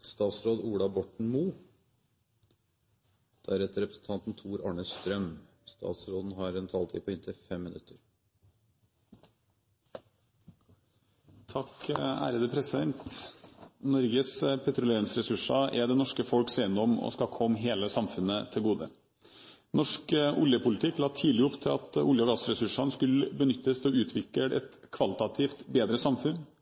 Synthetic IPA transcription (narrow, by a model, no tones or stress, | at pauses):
st̪ɑːt̪sɾoːd̪uːɽɑbɔʈɳ̩muː | d̪̥ɑæɾɛt̪ːəɾɛpɾəsn̩t̪ʰɑnt̪n̩t̪ʰuːɾɑːɳəsst̪ɾœm | st̪ʰɑ̰ːt̪sɾoːd̪n̩ɦɑɾɛnt̪ʰɑːlt̪ʰḭːpʰɔɪnt̪ʰəfɛmːɪnʉt̪ʰːəɾ | t̪ʰɑkəæ̰ːɾəd̪əpʰɾɛsɪd̪ɛnt̪ | nɔɾɡəspʰɛt̪ɾʊleːɾɪŋsɾɛsʉʂɑʔɛd̪ɛnɔʂkəfɔlksɛɪnːɔmɔ̰skɑkʰɔmːɦeːləsɑmfʉnət̪ʰɪlɡuːd̪ə̰ | nɔʂkʊljəpʰʊlɪt̪ʰɪkːlɑːt̪ʰiːlɪɔpːt̪ʰɪlɑ̰t̪ʊ̰ljəɔɡɑsɾɛsʉʂɑnskʉlːəbənʏt̪ːəst̪ʰɛɔʉːt̪ʰʋɪkəʔɛ̰t̪ | kʰʋɑlɪt̪ɑt̪ʰiːft̪beːd̪ɾəsɑmfʉn